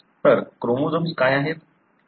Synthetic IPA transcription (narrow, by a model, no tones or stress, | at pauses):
təɾkɾomod͡zomskajaɦet̪̚